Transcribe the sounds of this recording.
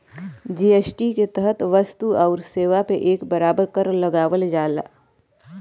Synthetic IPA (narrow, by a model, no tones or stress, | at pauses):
d͡ʒiːeːsʈiket̪əɦət̪ʋɐst̪uaːɾseːʋapeʔeːkbɐɾaːbəɾkəɾlɐɡaːʋəld͡ʒaːla̰ː